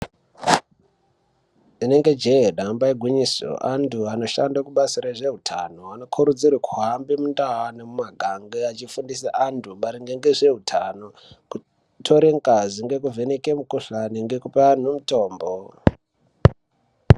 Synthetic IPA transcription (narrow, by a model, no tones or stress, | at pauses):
ine̞ŋɡe̞d͡ʒeɦeɗambaiɡʱwiɲiso̰ʔantʰuano̞ʃandakuɓasiɾaʐe̞utʰa̰no̞ano̞kʰuɾud͡ziɾakʰuɦambimundawanemumaɡʱaŋɡeat͡ʃifundisa̰ʔantʰumaɾiŋɡeŋɡe̞ʐe̞ɦutʰano̞ | ku | tʰo̞ɾeŋkaziŋɡe̞k̬uvʱe̞neke̞mukoɬaniŋɡe̞kupaan̤umuto̞ːmbo